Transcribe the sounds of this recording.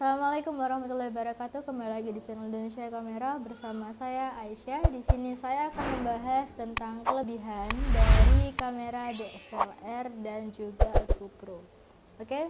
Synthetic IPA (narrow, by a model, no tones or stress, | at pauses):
salamalakʊmwaɾahmat̪ulahbaɾakat̪ukəmbailaɡidit͡ʃɛnalindonesiakameɾabərsamasajaʔaiʃadisinisajaːkanməmbaɦast̪ənt̪aŋkələbiɦandaɾikameɾadɔsolɛrdand͡ʒuɡakupɾo | oke